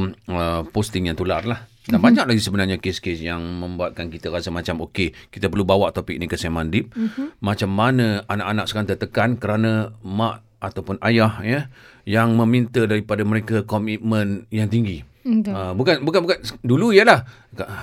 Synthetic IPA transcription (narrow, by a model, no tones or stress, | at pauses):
əpost̪ɪŋjaŋt̪ularlah | danbaɲak̚laɡisəbənarɲakeskesjaŋmə̃mbuat̪̚kankit̪əɾasəmat͡ʃamokekit̪əpərlubawaʔt̪opik̚nikəsemandɪp̚mat͡ʃamːanəanaʔanak̚sə̥kant̪ət̪əkankəɾanəmaʔ | at̪awpʊnajahjəjaŋməmint̪ədaɾipadaməɾekakɔmit̪̚mənjaŋt̪iŋɡi | əbukanbukanbukanduluijəlah | ka